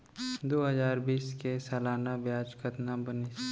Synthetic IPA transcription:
d̪oːɦəzaːɾbiːskesalaːnabjaːd͡ʒkət̪nabənis

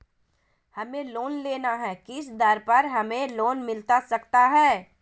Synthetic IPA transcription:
hɐmẽloːnleːnaɦɛkɪsd̪əɾpɐɾɦɐmẽloːnmɪlt̪asɐkt̪aɦɛː

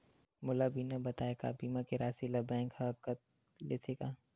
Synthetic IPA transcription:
mʊlabiːnabɐt̪aːeka̰biːmãkeɾaːsilɐbɛ̃ːŋkhɐb̚kɐ | leːt̪ʰekaː

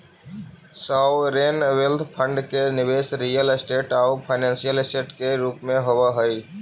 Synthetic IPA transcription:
saːwɾeːnʋelt̪ʰpʰə̃ɳɖkenɪʋeːsɾiːjəlɪsʈeːʈaupʰaɪnɛ̃ːnsijəlɪsʈeːʈkeɾuːpmẽɦowaɦəi

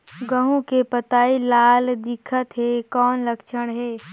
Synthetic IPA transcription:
ɡəɦũkepət̪aːilaːld̪ɪkʰət̪ɦɛkɔːnlɐkʃəɽ̃ɦɛː

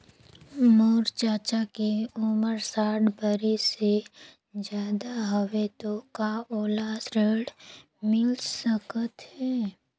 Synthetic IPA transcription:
moːɾt͡ʃaːt͡ʃakeʊməɾsaːɽbəɾise | d͡ʒjaːd̪aɦəʋet̪okaoːlasɾeːɽ | mɪlsəkət̪ɦɛː

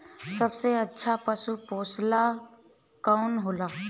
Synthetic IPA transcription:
səbseətːʃʰapəsupoːsla | kaʊnɦoːlaː

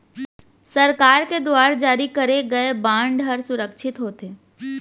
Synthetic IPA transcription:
sɐɾkaːɾked̪oaːɾd͡ʒaːɾikɐɾeɡɐebãːɳɖɦɐɾsʊɾəkʃʰɪt̪ɦoːt̪eː

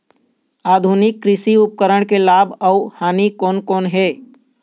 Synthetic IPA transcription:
aːd̪ʱunɪkːɾɪsiʊp̚kəɾəɳ̃kelaːbəʊhaːnikoːnkoːnɦɛː

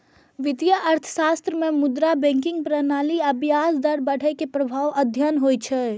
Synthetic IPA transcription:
ʋɪt̪ijaʔɐɾt̪ʰə̥saːst̪ɾəmẽmʊd̪ɾabẽŋkɪ̃ŋɡ̚pɾənaːliɐbjaːsd̪əɾbəɽ̤ɛkepɾəbʱaːʋəd̪ʱjənɦoːjt͡ʃʰɛ

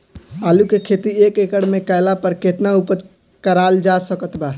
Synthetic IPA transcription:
alukekʰet̪iekekəɽmekajlapəɾket̪naupət̪ | kəɾald͡ʒasəkət̪ba

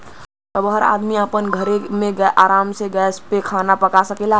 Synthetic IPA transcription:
t̪ɔbɦəɾa̰ːd̪miapənɡʱəɾemẽɡʔaːɾaːmseɡɛːspekʰaːnapəkasəkeːla

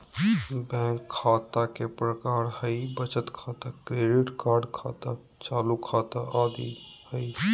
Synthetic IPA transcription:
bɛ̃kʰːaːt̪akepɾəkaːɾhəibət͡ʃət̪kʰaːt̪akɾeːɖiʈkaːɾɖkʰaːt̪a | t͡ʃaːlukʰaːt̪aʔaːd̪ḭ | həj

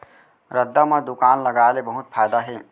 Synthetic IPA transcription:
ɾəd̪ːamãd̪ʊkaːnlɐɡaːlebəɦʊt̪fʰaːjd̪aɦɛː

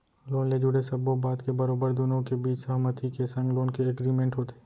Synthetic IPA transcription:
loːnled͡ʒʊɽesɐbobaːd̪kebɐɾoːbəɾd̪ʊnõkebiːt͡ʃsɐɦmət̪ʰikesɐ̃ŋɡloːnkeɐɡɾiːmẽɳʈɦoːt̪e̥ː

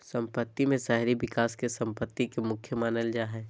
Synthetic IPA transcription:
sə̃mpət̪ːimẽsaɦɾibɪkaːskesə̃mpət̪ːikemʊkʰjəmaːnəld͡ʒaːɦɛː

